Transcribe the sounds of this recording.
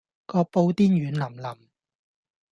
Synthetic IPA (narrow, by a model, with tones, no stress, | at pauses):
kɔː˧k̚po˧wt̪iː˥njyː˨˥nlɐ˨˩mlɐ˨˩m